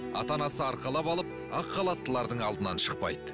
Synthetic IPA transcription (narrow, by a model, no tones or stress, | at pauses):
ɑ̰t̪ɑnɑsəɑɾqɑlˠɑpɑlˠəp̚ | ɑqːɑlˠɑt̪ːəlˠɑɾd̪əɴɑlˠd̪ənɑnʃəq̚pɑ̰jd̪ə